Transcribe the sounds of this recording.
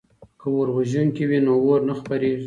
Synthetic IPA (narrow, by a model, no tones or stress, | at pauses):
kəwoɾwaʒuŋkiwinowoɾnaxpaɾeʒi